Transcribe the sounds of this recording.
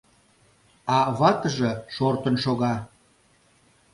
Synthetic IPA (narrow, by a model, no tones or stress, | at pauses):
ɑβɑt̪əʒĕʃort̪ənʃoɣɑ